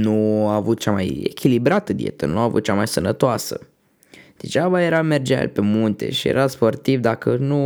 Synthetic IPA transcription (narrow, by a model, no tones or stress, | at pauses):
nuaːvut̪̚t͡ʃamajḛkʲilibɾat̪əd̪iḛt̪ənuavut̪̚t͡ʃamajsənət̪oasə̰ | d̪̥et͡ʃabaje̞ɾame̞rd͡ʒeaa̰lpe̞munt̪e̞̰ʃije̞̰ɾʔaspo̞rt̪ivd̪akənu